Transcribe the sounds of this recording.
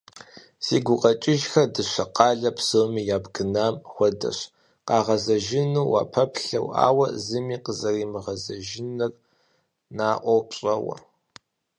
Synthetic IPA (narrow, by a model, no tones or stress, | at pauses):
siːɡʷʊqʼɐt͡ʃʼɪʒxɐdɨɕʷɐqɑːɮɐpsɨmijaːbɡɨnaːmxʷɔdɐ̰ɕ | qɑːʁɐzɐʒɪnuːwa̰ːpʰɐpʰɬɐ̰wa̰ːwɐzɨmiːqəzɐriːmɨʁɐzɐʒɪnɨr | naːʔʷɔwpɕʼɐwɐ̰